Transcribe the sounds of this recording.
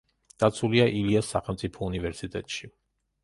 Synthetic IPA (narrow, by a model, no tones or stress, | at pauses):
d̪̥at̪sʰuliaʔiliasːaχɛlˠmt̪sʼipʰɔunivɛɾsit̪ʼɛ̰t̪ʼʃi